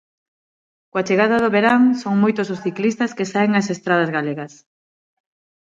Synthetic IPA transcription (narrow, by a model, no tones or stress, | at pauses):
koat͡ʃeɣaðɐðʊβeɾaŋsoŋmojt̪ʊs̬ʊsθiklist̪ɐskesaeŋɐsest̪ɾað̞ɐzɣaleɣɐs